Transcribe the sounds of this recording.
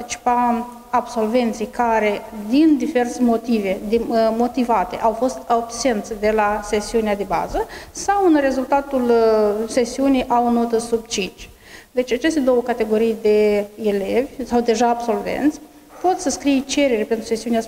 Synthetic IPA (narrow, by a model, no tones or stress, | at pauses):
t̪it͡ʃi̥pa | abso̞lve̞nt̪sijkaɾe̞d̪ind̪ive̞rsemo̞t̪ive̞d̪mo̞t̪ivat̪e̞̰ʔawfo̞st̪abse̞nt̪sʲd̪e̞lase̞siunead̪e̞ba̰zəsawɨnre̞zult̪at̪ulse̞siunijʔawno̞t̪əsubt͡ʃit͡ʃ | d̪e̞t͡ʃʲat͡ʃe̞st̪e̞d̪o̞wəkat̪e̞ɡo̞ɾijd̪e̞ele̞vʲsawd̪e̞ʒaːbso̞lvḛnt̪sʲ | po̞t̪səskɾijt͡ʃe̞ɾeɾpe̞nt̪ɾuse̞siunea